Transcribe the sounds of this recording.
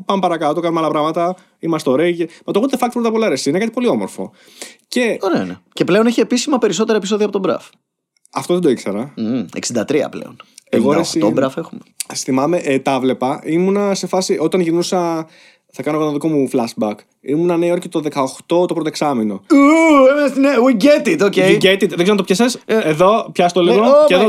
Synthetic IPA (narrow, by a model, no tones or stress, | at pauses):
pɐmpɐɾɐkɐt̪okɐnumeɐlɐpɾɐɣmɐt̪ɐ | imɐst̪o̞ɾeʝemɐt̪oɣut̪efɐk̚t̪̚pɾot̪ɐpo̞lɐɾesiinekɐt̪ipo̞lio̞mo̞ɾfo̞̰ | ce̞oɾeneceple̞o̞neçie̞pisimɐpe̞ɾis̬o̞t̪e̞ɾɐepis̬o̞ðiɐpot̪obɾɐ̰f | ɐft̪oðed̪oikseɾɐḛksind̪ɐt̪ɾiɐ̰plḛo̞neɣoɾesiobɾɐfexumesθimɐmeʔt̪ɐvle̞pɐimunɐse̞fɐsiʔo̞t̪ɐnʝinusɐ | θɐkɐnoɣot̪oðiko̞muflɐsbɐk | imunɐneoɾcet̪oðekɐoxt̪o̞t̪opɾot̪oksɐmino̞uemeɐst̪inewiɟet̪it̪oceiɟet̪it̪ðeɡzeɾmɐt̪̬pçɐseseðo̞pçɐst̪oliɣoeðo